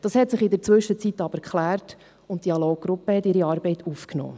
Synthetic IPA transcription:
d̥ɑshɛtsɪχɪd̪əɾt͡sʋɵʃːət͡sit̪ːɑb̥əɾkχlæːrt | ʊnt̚d̥iɑlɔːɡɾʊpəhɛtɪɾiɑːɾbɛɪtʰufknɔ̰ː

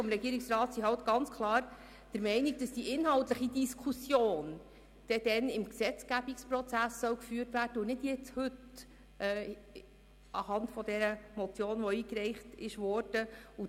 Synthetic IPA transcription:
ɔmɾɛɡiːɾɪksrɑːt̪siɦɑwt̪ɡ̥ɑnt͡skʰlˠɑːɾ | d̥əɾmɛɪnik̚d̥ɑsd̥iʔɪnɦɑwtləχidiskʰusjoːn | d̥ɛd̥ɛnɪmksɛt͡sɡ̥æbikspɾɔt͡sæsːœwkfyːrtʋæːrd̥əʊnɪd̥jɛt͡shɵt | ʔː | ʔɑhɑndtfɔd̪ɛɾəmɔt͡sjoːnʋɔiːkɾɛɪχtɪʃʋɔrd̥əu

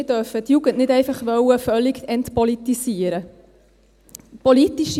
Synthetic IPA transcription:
dœɾfət̪juɡənʔnɪdɛɪfɑχʋœwəfœlːikɛntpɔlit̪isiəɾə | pɔlitiʃ

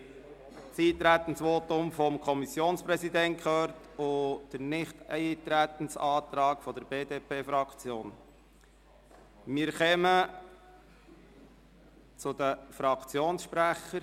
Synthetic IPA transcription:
t͡siːt̪ɾæt̪ən̩sʋot̪ʊmfɔmkʰɔmisjoːnspɾɛsid̪ɛnt̚kχøːɾtʊd̥ənɪχtɪt̪ɾæt̪ən̩sɑːt̪ɾɑːkfɔdəɾbeːdeːpʰeːfɾɑkʰt͡sjoːn | mɪːɾχɛmə | t͡sʊd̪əfɾɑkt͡sjoːnsʃpɾæχəɾ

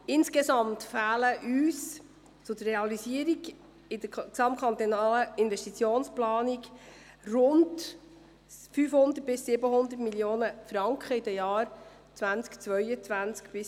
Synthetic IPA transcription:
ɪnskesɑmtfæːləʔyːs | t͡sʊd̪əreɑlisiəɾiɡ | ɪd̪əsɑmkʰχɑnt̪onɑːləɪnvɛʃtit͡sjoːnsplɑːnik | rʊnd | fyːfhʊnd̪ət̚b̥ɪsːɪbəɦʊnd̪ətmiljoːnəfɾɑŋkχəid̥əjɑːɾ | t͡svænt͡skt͡sʋœʏət͡svænt͡skb̥ɪs

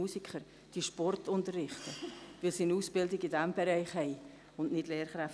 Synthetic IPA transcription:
uːsikχəɾ | d̥iʃpɔrtʰʊntərːɪχtəʋɪlsiənuːsb̥ɪldɪɡidæmbɛɾɛɪχɦɛɪ | ʊnʔnɪdleːɾχɾæf

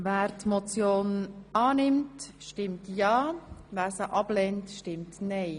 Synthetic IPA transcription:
væːɾtmot͡sjoːnʔɑːnɪmtʃtɪmtjɑːvæːɾsəʔɑblɛntʃtɪmtnɛɪ

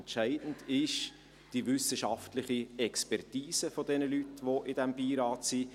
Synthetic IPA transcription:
ntʃæɪd̥n̩dɪʃ | d̥iʋʏsəʃɑftlɪχiɛkspɛrtiːsəfɔdɛnəlytʋoʔɪd̥ɛmbiːɾɑːtsiː

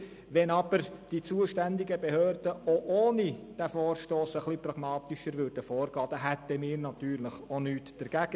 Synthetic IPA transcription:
ʋɛnɑb̥əɾd̥it͡suəʃtændɪɡəbehøːrd̥əoʔoːnid̥æfɔːrʃtoːsəχliprɑɡ̥mɑːt̪ɪʃəɾʋʏːɾd̥əfɔːrɡɑːd̥ɑɦɛt̪əmiːɾnɑt̪yːɾləχonyːtd̥əɾɡ̥æɡə

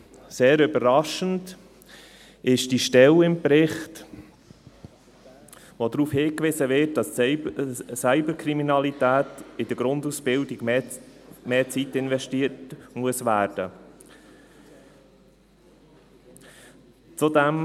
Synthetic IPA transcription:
seːɾøbəɾɑʃənt | ɪʃd̥iʃtɛlɪmpɾɪχt | vodɾuːfhɪːkʋɪsəvɪt̚d̥ɑs | sæɪbəɾkʰɾiminɑlitæːtɪd̥əɡ̥ɾʊndusb̥ɪldɪɡ | meːt͡sitɪnvɛʃtiətmuəsʋæːɾd̥ə | t͡sudɛm

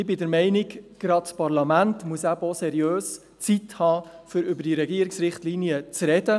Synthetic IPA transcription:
ɪbɪdəɾmɛɪnɪɡɡ̥ɾɑtpɑɾlɑmæntmuəsæbosɛɾiøːs | t͡sithɑːfʏɾʏbəɾd̥iɾɛɡiəɾiksɾɪχtliniət͡sɾɛdə

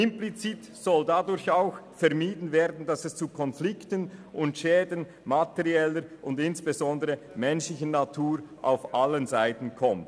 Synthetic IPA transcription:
ɪmplit͡siːt | z̥ɔldadʊɾçaʊxfɛʁmiːdn̩veːɐdn̩dasɛst͡sukʰɔnflɪktənʔʊntʃɛːdən̩ | matɛʁiɛləʔʊndɪnsb̥ezɔndəʁə | mɛnʃlɪçənatʰuːʁʔa̰ʊfʔalənzaɪtn̩kʰɔmt

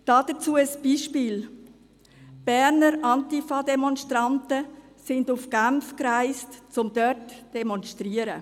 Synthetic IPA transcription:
d̥ɑːd̥ət͡suːəəsb̥iːʃpiːl | b̥ɛɾnəɾʔɑntifɑdɛmɔnʃtɾɑntə | sɪndufɡ̥amfkraɪstt͡sʊmd̥œɾtd̥ɛmɔnʃtɾiːəɾə̰

